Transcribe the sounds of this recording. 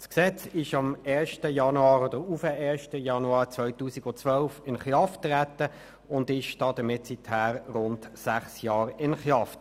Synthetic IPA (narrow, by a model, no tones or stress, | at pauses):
sksɛt͡sɪʃɑmɛːʃtəjɑnuɑːɾod̥əɾufəɛːʃtəjɑnuɑːʁt͡sʋœʏtuːsiɡʊnt͡sʋœlfɪnχjɑftʁætə | ʊndɪʃd̥ɑːd̥əmɪtsithæːʁʁʊntsæχsjɑːɾɪnχjɑf